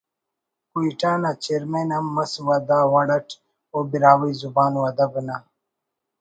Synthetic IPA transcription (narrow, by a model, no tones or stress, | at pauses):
kuiʈaːnat͡ɕeɾmenamɐswɐd̪aːwɐɽɐʈʰ | obiɾaːwijzubaːnwɐd̪ɐbəna